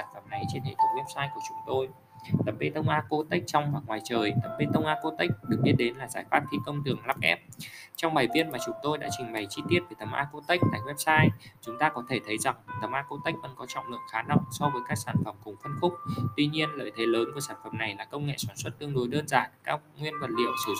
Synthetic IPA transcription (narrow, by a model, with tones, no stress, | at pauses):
saː˧˩nfə˧˩mna˨˩jt͡ɕe˧nhḛ˧˨t̪ʰə˨˦ŋ͡mwɛ˦˥p̚saː˧jku˧˩ət͡ɕʊ˨˦ŋ͡mt̪o˧j | t̪ə˨˩m̚ɓe˧t̪ə˧wŋ͡mʔaː˧ko˧˦t̪ə˦˥k̟̚t͡ɕɔ˧wŋ͡mwa˨˩k̚ŋwaː˨˩jt͡ɕəː˨˩jt̪ə˨˩m̚ɓe˧t̪ə˧wŋ͡mʔaː˧˥ko˧˦t̪a˦˥k̟̚ɗɨ˨˩k̚ɓi˦˥ət̚ɗe˨˦nlaː˨˩zaː˧˩jfaː˦˥p̚t̪ʰi˧kə˧wŋ͡mt̪ɨ˨˩əŋla˦˥p̚ʔɛ̰˦˥p̚t͡ɕɔ˧wŋ͡mɓaː˨˩jvi˦˥ət̚maː˨˩t͡ɕʊ˨˦ŋ͡mt̪o˧jɗa̰ː˧˥t͡ɕï˨˩ŋ̟ɓa˨˩jt͡ɕi˧t̪i˦˥ət̚ve˨˩t̪ə˨˩mʔaː˧ko˨˦t̪ə˦˥jk̚t̪a̰ː˧˨jwɛ˦˥p̚saː˧jt͡ɕʊ˨˦ŋ͡mt̪aː˧kɔ˨˦t̪ʰe˧˩t̪ʰə˨˦jza˨˩ŋt̪ə˨˩mʔaː˧ko˧˦t̪ə˦˥jk̟̚və̰˧˥nkɔ˨˦t͡ɕɔ̰˧˨ŋ͡mlɨ̰˧˨əŋxaː˨˦na˨˩wsɔ˧vəː˨˦jkaː˦˥k̚saː˧˩nfə˨˧˩mkʊ˨˩ŋ͡mfə˧nfʊ˦˥k͡p̚t̪wi˧ɲi˧ənlə̰ː˧˨jt̪ʰe˨˦ləː˨˦nku˧˩əsaː˧˩nfə˨˩mna˨˩jlaː˨˩kə˧wŋ͡mŋḛ˧˨saː˧˩nswə˦˥t̚t̪ɨ˧əŋɗo˨˦jɗəː˧nzaː˨˩nkaː˦˥k̚ŋwi˧ənvə˨˩t̚lḭ˧˨əwsɨ˧˩˧